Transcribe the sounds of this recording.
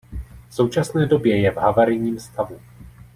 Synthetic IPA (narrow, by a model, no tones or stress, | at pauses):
fso̞wt͡ʃasnɛːdo̞bjɛjɛvɦavaɾɪɲiːmst̪avu